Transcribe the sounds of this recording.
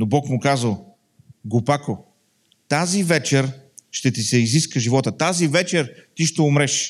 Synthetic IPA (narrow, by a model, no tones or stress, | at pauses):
nobɔkmʊkazəlˠ | ɡopako | t̪azivɛt͡ʃɛɾʃt̪ɛt̪isɛiziskəʒivɔt̪ət̪azivɛt͡ʃɛɾt̪iʃt̪ɛʊmɾɛʃ